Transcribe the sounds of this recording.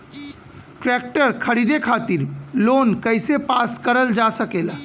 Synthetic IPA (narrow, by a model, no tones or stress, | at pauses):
ʈɾɛk̚ʈəɾkʰəɾid̪ekʰat̪iɾloːnkəɪsepaskəɾəld͡ʒasəkela